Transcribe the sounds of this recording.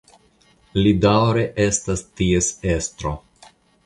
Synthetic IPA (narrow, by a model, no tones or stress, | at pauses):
lidawɾe̞ʔe̞stastie̞se̞stɾo̞̰